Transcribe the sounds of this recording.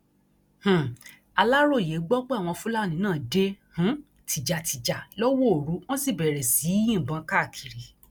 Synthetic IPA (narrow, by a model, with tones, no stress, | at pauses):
h̩˨ | a˧la˦ɾo˦˨je˨˦ɡ͡bɔ˦k͡pe˦a˦˨w̃ɔ̃˧fu˦la˦˨nĩ˧˦nãː˦˨de˦h̩˨˦ | tʰi˨d͡ʒa˨tʰi˨d͡ʒa˨lɔ˦wo˦o˨ɾu˨˦w̃ɔ̃˦si˦˨bɛ˨ɾɛ˨si˨˦jĩ˦˨bã˧˦ka˦˨kʰi˨ɾi˨